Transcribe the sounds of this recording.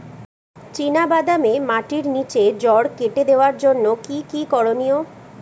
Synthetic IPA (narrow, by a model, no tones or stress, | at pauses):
t͡ɕinabad̪amemaʈiɾnit͡ɕed͡ʑɔɽkeʈed̪eoaɾd͡ʑonːokikikɔɽonio